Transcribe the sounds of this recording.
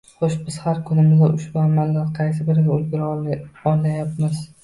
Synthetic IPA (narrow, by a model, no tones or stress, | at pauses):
χoʃbɪz̥haɾkʰʊnɪmɪzd̪aʔʊʃbʊamalːaɾqʰɑjs̬ɪbɪɾɡʲaʊlɡʲɪɾɒlajap̚mɪz̥